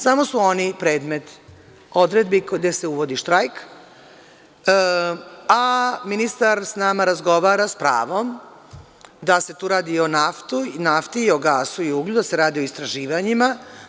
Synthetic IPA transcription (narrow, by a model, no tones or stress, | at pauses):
samo̞suo̞nipɾe̞ːd̪me̞t̪ | o̞d̪ɾed̪bikd̪e̞seuʋo̞d̪iʃt̪ɾajk | aminist̪aɾsnaːmaɾazɡo̞ʋaːɾaspɾa̰ːʋo̞m | d̪ase̞t̪uːɾaːd̪io̞naft̪unaft̪iːo̞ɡaːsuiuːɡlʲud̪ase̞ɾaːd̪io̞ist̪ɾaʒiːʋaɲima